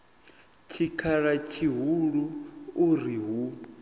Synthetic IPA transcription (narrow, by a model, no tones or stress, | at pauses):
t͡ʃʰikʰaɺat͡ʃʰiɦuɺuː | ɾiɦu